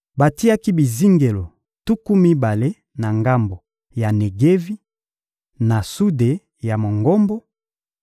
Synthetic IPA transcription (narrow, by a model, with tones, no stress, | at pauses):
ba˨ti˦a˦ki˦bi˨zi˦ŋɡe˨lo˨ | tu˦ku˦mi˦ba˨le˦ | na˨ŋɡa˦mbo˨ | ja˨ne˨ɡe˦vi˦ | na˨su˦de˨ | ja˨mo˨ŋɡo˦mbo˦